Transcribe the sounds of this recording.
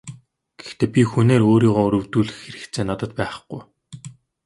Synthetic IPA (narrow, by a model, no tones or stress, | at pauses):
ɡ̥e̥xt̪eːpʲixuneːɾoːɾiːʁɔːɵɾɵ̆wt̪uːɮɘ̆xːeɾɘ̆kt̪t͡sʰeːnɔt̪ɞ̆t̪pæːχ̆χɡuj